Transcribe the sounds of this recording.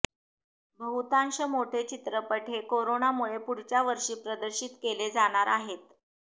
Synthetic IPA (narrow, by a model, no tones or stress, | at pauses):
bʱəɦut̪ãnɕəmoʈʰet͡ɕit̪ɾəpəʈʰekoɾonamuɭepuɽ̤t͡ɕjaʋəɾʂiːpɾəd̪əɾɕiːt̪keled͡zaɽ̃aɾaɦet̪̚